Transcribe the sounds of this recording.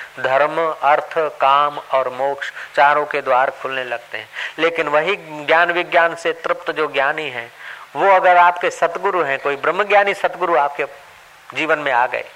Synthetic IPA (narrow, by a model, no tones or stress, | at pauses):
d̪ʱɐɾmɐɾt̪ʰkaːmɔːɾmoːkʃt͡ʃaːɾõked̪waːɾkʰʊlnelɐɡ̚t̪eɦɛ̃ːleːkɪnʋɐɦiɡjaːnʋɪɡjaːnset̪ɾɪpt̪d͡ʒoːɡjaːniɦɛ̃ːʋoɐɡəɾaːpkesɐt̪ɡʊɾuɦɛ̃koːibɾəmːɡjaːnisɐt̪ɡʊɾuaːp̚ke | d͡ʒiːʋənmẽaːɡə̰ḛː